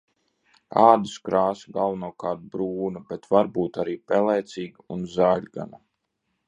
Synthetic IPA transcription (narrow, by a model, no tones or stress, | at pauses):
aːd̪iskɾaːsɡalˠvnuɔkaːɾt̪̚bɾuːnabɛt̪vaɾbuːt̪aɾiːpɛlˠɛːt̪siːɡunzaːʎʲɡa̰na